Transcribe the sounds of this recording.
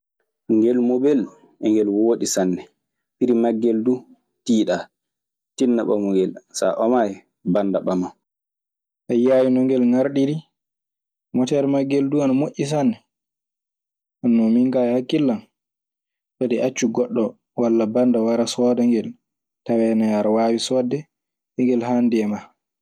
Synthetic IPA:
ŋɡɛlmobɛl | ɛŋɡɛlwoːɗisanːɛ | piɾimaɡːɛldu | tiːɗa | tinːaɓamuŋɡɛlsa̰ʔɔmaj | bandaɓama | ʔajaːwinɔŋɡɛlŋaɾɗiɾi | mɔtɛɾmaɡːɛlduanamoʔʲːis̬anɛ | anːɔmiŋkajhakːilːan | sadɛʔat͡ʃːuɡɔɗːɔ | walːabandawaɾasɔːdaŋɡɛl | tawɛnajaɾwaːwisɔːdɛ | ɛŋɡɛlhandɛma

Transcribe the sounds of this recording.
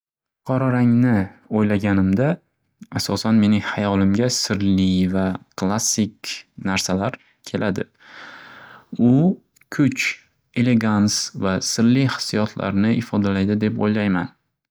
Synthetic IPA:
fʊqʰɒɾɒɾaŋnɪojlaɡʲanɪmd̪a | asɒsanme̞nɪŋhajɒlɪmɡʲasɪɾlɪvakʰlˠasːɪkʲnaɾsalaɾ | kʲʰe̞lʔad̪ɪ | ʊ | kʰʊt͡ʃ | e̞le̞ɡansvasɪɾlijhɪ̥sijɒt̪ʰla̰ɾnɪʔɪfɒd̪alajd̪ɪd̪e̞po̰jlajman

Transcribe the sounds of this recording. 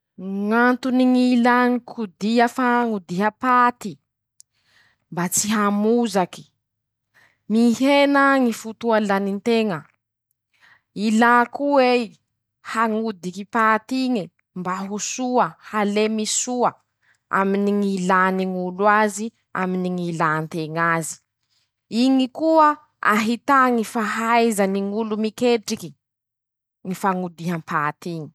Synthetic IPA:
ŋant̪uniŋilaŋikʰud̪iəfaŋud̪iɦəpat̪i | mbat͡siɦamuzaki̥ | mihenaŋifut̪ualanint̪eŋə | ilakue | haŋud̪ikipat̪iŋi | mbaɦusuəhalemisuə | a̰miniŋilaniŋulwazi | a̰miniŋilant̪eŋazi̥ | iŋikuə | a̰ɦit̪aŋifaɦajzəniŋulumikeʈ͡ʂiki̥ | ŋifaŋud̪iɦampʰat̪iŋi̥

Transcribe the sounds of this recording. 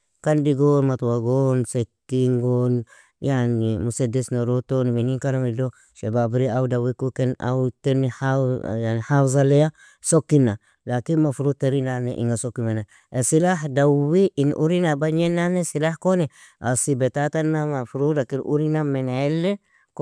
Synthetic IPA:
kandiɡonmatuwaɡonsetːiŋɡon | janimusedesnoɾotonimeniŋkaɾamido | ʃebabiɾiawudawikukena̰wtenihajanihawzaleja | sokːinːa | lakinmafuɾuteɾinanḛʔḭŋɡasokːimena | esilaɦdawiʔinʔṵɾinabaɲenːanesilahkone | a̰sibetatanːamafuɾudakinʔṵɾinamenelːe | k

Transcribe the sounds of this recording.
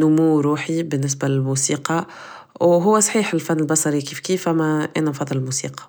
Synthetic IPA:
nʊmuɾuːħibɪnːɪs̬bælɪlmusiːqɑ | wɦʊwːæsˤħiːħɪlfænːɪlbɑsˤɑɾikiːfkiːfʔæmːæʔeːnænfɑðˤːɨllmuːsḭːqɑ̥

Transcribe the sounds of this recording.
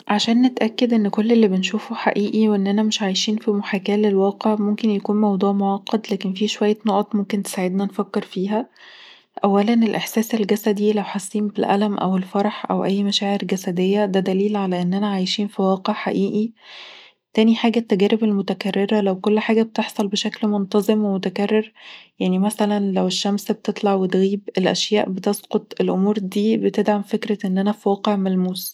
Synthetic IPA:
ʕaʃæːnːet̪ʔækːed̪ʔenːkolːelːibenʃuːfuħaʔiːʔiweʔenːʔænæmeʃʕajʃiːnfimoħaːkæːlelwɑːqeʕmomkenjækuːnmɑwd̪ˤuːʕmoʕɑqːɑd̪læːkenfiːʃowæjːænoʔɑt̪ˤmomkent̪e̥saʕed̪nænfækːeɾfiːɦæ | ʔæwːælænelʔeħsæːselɡæsæd̪ilæwħasˤːiːmbelʔæ̰læmʔæ̰welfɑɾˤɑħʔæ̰wʔæjːmæʃæːʕeɾɡæsæd̪ejːæd̪æd̪æliːlʕalæʔenːʔænæʕajʃiːnfiwɑːqeʕħaʔiːʔi | t̪æːniħaːɡæt̪ːæɡæːɾebelmot̪ækærːeɾælæwkolːħaːɡæb̚t̪eħsˤɑlbeʃæklmont̪ɑzˤemwemot̪ækærːeɾjaʕnimæsælænlæweʃːæmsbet̪et̪ˤlɑʕwet̪ɣiːbelʔæ̰ʃjæːʔbet̪esqot̪ˤelʔomuːɾd̪iːbet̪ed̪ʕamfekɾæʔenːʔænæfiwɑːqeʕmælmuːs

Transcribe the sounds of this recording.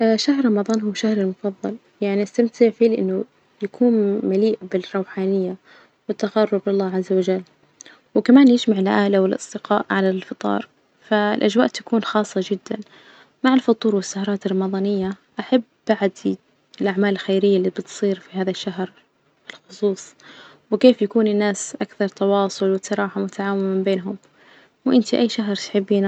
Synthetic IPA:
ʔʃahɾˤɾˤɑmɑðˤɑːnɦuːʃahɾɪlmʊfɑðˤːɑl | jaʕniʔast̪amt̪ʰɪʕfiːlɪʔɪnːʊ | jakʰuːnmaliːʔbɪrˤːɑwħaːnɪjːa | wɪt̪ːaɣɑrˤːʊblɪlːaːʕazːawad͡ʒalː | wɪkamaːnjɪd͡ʒmaʕɪlʔaːlawɪlʔɑ̰sˤd̪ɪqɑ̰ːʔʕalalfɨt̪ˤɑ̰ːɾˤ | fa̰lʔad͡ʒwaːʔt̪ḁkuːnxɑːsˤːɑd͡ʒɪd̪ːan | maʕɪlfʊt̪ˤuːɾwɪsːahɑɾˤɑːt̪ɪrˤːɑmɑðˤɑːnɪjːaʔaħabːaʕd̪ | ɪlʔaʕmaːlɪlxejɾɪjːalːiːbɪt̪sˤiːɾfiɦaːðaʃːaɦɾ | fɪlxʊsˤuːsˤ | wɪkeːfjakuːnɪnːaːsʔakθɑɾˤt̪ɑwɑːsˤʊlwɪsːɑɾˤɑːħamʊt̪aʕaːwɪmɪmbeːnɦʊm | wʔɪnt̪iʔajːʃaɦɾˤt̪ħɪbːiːna

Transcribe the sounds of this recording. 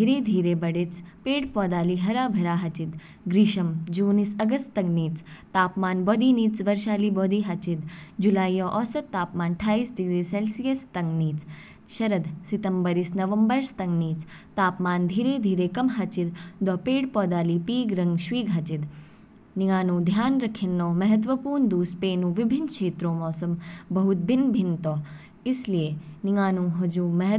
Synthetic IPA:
d̪iɾed̪ʱiːɾebɐɽet͡speːɽpɔːd̪aːliɦɐɾaːbʱɐɾaːɦɐt͡ɕit̪ | ɡɾiːɕɐmd͡ʑuːnisɐɡəst̪t̪ɐŋɡniːt͡st̪aːpmaːnbɔːd̪iniːt͡sʋɐɾʃaːliːbɔːd̪iːɦat͡ɕit̪d͡ʒulaːjjɔʔɔsɐt̪ːaːpmaːnʈʰaːiːsɖiɡɾiːselsijəst̪ɐŋɡniːt͡s | ʃɐɾəd̪sit̪əmbəɾiːsnɐʋəmbəɾst̪ɐŋɡniːt͡s | t̪aːpmaːnd̪ʱiːɾeːd̪ʱiːɾeːkɐmɦɐt͡ʃid̪d̪ɔpeːɽpɔːd̪aːliːpiːɡɾɐŋɡʃʋiːɡʱɐt͡ʃid̪ | niŋaːnũːd̪ʱjaːnɾɐkʰjɐnːɔːmɐɦɐt̪̬ʋɐpuːɾɳd̪uːspeːnũːʋibʱinkʃeːt̪ɾoːmɔːsɐmbɐɦut̪̚binbʱint̪ɔː | islijeniŋaːnũːɦɐd͡ʒuːmɐɦ

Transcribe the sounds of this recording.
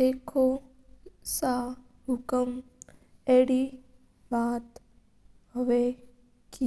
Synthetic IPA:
eːkʰo | sa | ɦʊkəm | eːɽi | baːt̪ | ɦəʋe | ki

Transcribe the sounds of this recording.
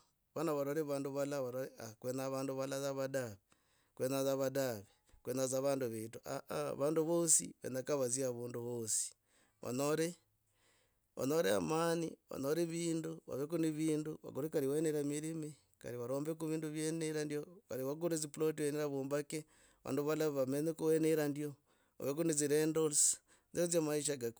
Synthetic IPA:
βanaβaɾoɾeβaːnduβalaβaɾoɾeakwenaβaːnduβalazaβadaβe | kwenazaβadaβe | kwenazaβaːnduβetuʔaʔβaːnduβosḭβḛnakaβaziaβuːnduβosi̥ | βa̰noɾe | wa̰noɾea̰manḭwa̰noɾeβiːnduβa̰βek̬uniβiːnduβa̰ɡuɾekaɾiweneɾamiɾimi | ka̰ɾiβaɾoːmbekuβiːnduβjeneɾandjokaɾiwaɡuɾezipulot̬iweneɾaβuːmbake | βa̰ːnduβalaβamenekuweneɾandjo | βa̰βek̬uneziɾendols | nziozamaiʃ̬aɡak

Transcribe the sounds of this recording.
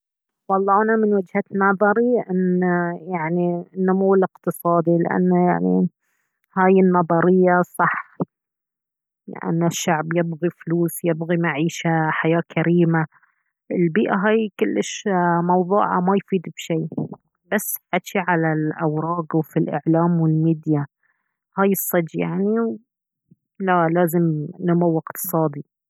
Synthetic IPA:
wɑlˤːɑːnamɪnwɪd͡ʒhat̪nɑðˤɑɾiʔɪnajaʕninːʊmuwːɪlɪqt̪ɨsˤɑːd̪ilɪ̰ʔa̰nːaja̰ʕnḭ | haːjɪnːɑðˤɑɾɪjːasˤɑħ | lɪ̰ʔa̰nːaʃːaʕbjɪbɣifluːsjɪbɣimaʕiːʃaħajaːkʰaɾiːma | ʔɪlbiːʔaɦaːjkʊlːɪʃmɑwðˤuːʕa̰majfiːd̪bʃiː | b̥asːħat͡ʃiʕalalʔawɾˤɑːɡwfilʔɪ̰ʕlaːmwɪlmiːd̪ja | haːjɨsˤːɑd͡ʒjaʕniw | lalaːzɪmnʊmawɪqt̪ɨ̥sˤɑːd̪i

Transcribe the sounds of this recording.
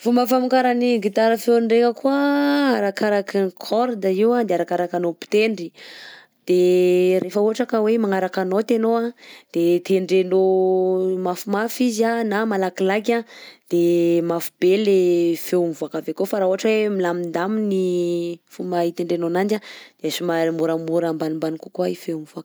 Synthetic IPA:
fumbafamikaɾaniɡit̪aɾafewɳɖ͡ʐekəkuaaɾakaɾakinkʰɔɾd̪aiwad̪eaɾakaɾakanopi̥t̪eɳɖ͡ʐi | d̪̥eɾʔefəuɦaʈ͡ʂakəwemaŋaɾakanot̪enoad̪̥et̪eɳɖ͡ʐeno | mafumafizanamalakilakʲad̪̥emafib̥elefeumivuakavekofaɾauɦaʈ͡ʂəwemilamind̪aminifumait̪eɳɖ͡ʐenonand͡ʒad̪̥easumamuɾamuɾambanimbanikukuaifeumivuak

